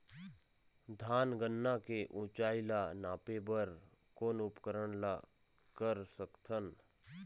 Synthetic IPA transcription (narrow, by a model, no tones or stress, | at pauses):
d̪ʱaːnɡənːakeʔũt͡ʃaːɪlanaːpebəɾ | koːnʊpkəɾəɳla | kəɾsəkt̪ʰən